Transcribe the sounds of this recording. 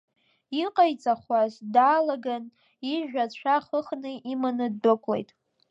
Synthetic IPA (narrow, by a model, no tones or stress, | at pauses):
iqʼajt͡sʼaχwazdaːlaɡan | iʒᶣʷat͡ɕʷʰaχəχnɨʔimanɨd̚bɨkʷʼlḛjtʼ